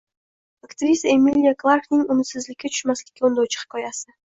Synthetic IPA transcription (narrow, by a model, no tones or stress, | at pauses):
akt̪ɾʲisəemilʲijaklˠarknɪŋumʊt̪sɪzlɪkʲːɪt͡ʃ̪ʰʊ̥ʃmæslʲɪ̥kʲɪond̪owt͡ʃʰə̥qkʰojɑsə